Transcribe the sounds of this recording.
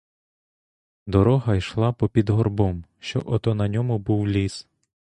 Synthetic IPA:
d̪ɔɾɔɦɐjʃlˠɑpɔpʲid̪ɦɔrbɔmʃt͡ʃɔ̰ʔɔt̪ɔnɐnʲɔmʊbuwlʲis

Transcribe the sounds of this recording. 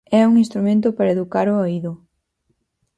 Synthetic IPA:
ɛuŋinst̪ɾumẽnt̪̬ʊpaɾɐeðukaɾooiðʊ

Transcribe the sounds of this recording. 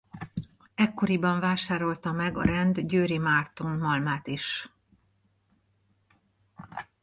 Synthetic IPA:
ɛkːo̞ɾibɒɱvaːʃaːɾo̞lt̪ɒmɛɡɒ̰ɾɛnd̪ɟøːɾimart̪onmɒlmaːt̪iʃ

